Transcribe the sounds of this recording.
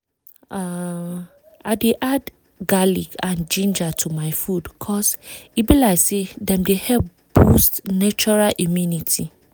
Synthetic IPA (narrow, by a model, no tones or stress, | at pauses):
a | aɪdeʔad | ɡalikʰãnd͡ʒĩnd͡ʒatʰumaɪfudkʰɔsibilaɪsedɛ̃mdehɛp̚ | b̥ustnat͡ʃɔɹalʔimjũnitʰi